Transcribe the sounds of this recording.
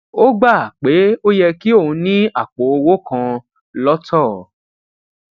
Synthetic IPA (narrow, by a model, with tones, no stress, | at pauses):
o˦ɡ͡ba˦˨k͡pe˨˦o˦jɛ˧ki˦o˦˨ũ˧˦nĩ˦a˦˨k͡po˨˦o˧wo˦kã˧ | lɔ˦tʰɔ˦˨